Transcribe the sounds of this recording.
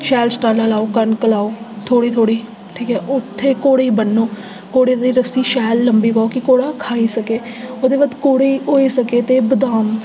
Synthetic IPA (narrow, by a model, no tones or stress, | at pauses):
ʃɛːlsʈaːlaːlaːoːkənkəlaːoːt̪ʰoːɽiːt̪ʰoːɽiː | ʈʰiːkɛːʔʊt̪ʰːeːkoːɽeːiːbənːoː | koːɽeːd̪iːɾəsiːʃɛːlːəmbiːpaːoːkɪkoːɽaːkʰaːiːsəkeːoːd̪eːbəd̪koːɽeiːʔoːiːsəkeːt̪eːbəd̪aːm